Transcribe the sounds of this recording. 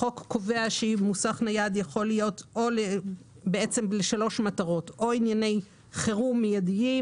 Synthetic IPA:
o̞kːo̞ve̞aʃeimusaχnajad̪jaχo̞lijo̞to̞le | beet͡se̞mbleʃalo̞ʃmataʁo̞to̞injane̞j | χeʁumijadii

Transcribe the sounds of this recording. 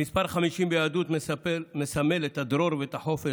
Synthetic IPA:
ispaɾχamiʃimbejaːd̪ut̪mesame̞let̪ad̪ɾoɾveet̪aħo̞fe

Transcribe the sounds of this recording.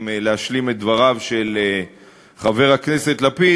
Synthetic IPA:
mleaʃlimet̪̚d̪vaʁavʃe̞le | χave̞ʁhakne̞set̪lapi

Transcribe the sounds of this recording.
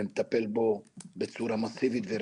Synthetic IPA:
emt̪apelbobet͡suɾamasivit̪veɾ

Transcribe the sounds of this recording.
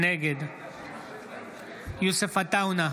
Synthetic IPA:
neɡed̪ | jusefɐt̪auna

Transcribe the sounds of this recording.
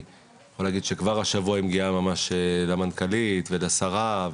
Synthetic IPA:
xolaːɡid̪ʃekvaʁaʃavuaimɡiamamaʃelamankalit̪velasaʁav

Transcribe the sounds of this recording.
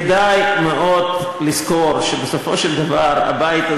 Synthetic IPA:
d̪ajmeʔod̪ | liskoɾʃebesofoʃeld̪avaɾa̰bait̪a

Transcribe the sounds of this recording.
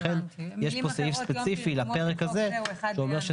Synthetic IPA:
enjeʃpo̞seifspet͡sifilape̞ʁekaze̞ʃuome̞ʁʃe

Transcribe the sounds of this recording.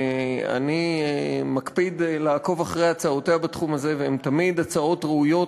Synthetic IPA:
a̰niemakpid̪laːko̞vaχʁejat͡saoteabat̪χumaze̞veemt̪amid̪at͡sao̞tʁeujo̞

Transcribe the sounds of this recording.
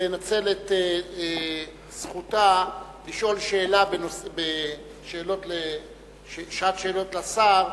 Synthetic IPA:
enat͡se̞lete | sχutaliʃo̞lʃe̞ːlabenosbe | ʃeːlo̞tle | ʃeʃatʃeːlo̞tlasaʁ

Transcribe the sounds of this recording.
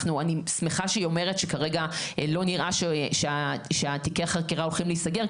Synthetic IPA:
nuanismeχaʃeio̞me̞ʁetʃekaʁeɡalo̞niʁʔaʃeʃeaʃeatikeaχaʁkeʁao̞lχimleisaɡe̞ʁ

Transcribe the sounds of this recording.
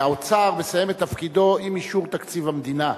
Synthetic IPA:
aot͡saʁme̞saje̞met̪ːafkid̪o̞imiʃuʁt̪akt͡sivamd̪ina

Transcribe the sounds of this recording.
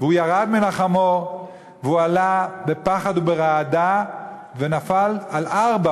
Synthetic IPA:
veujaʁad̪minaχamo | veualabe̞paχad̪ubeʁaːd̪ave̞nafalalʔaʁba

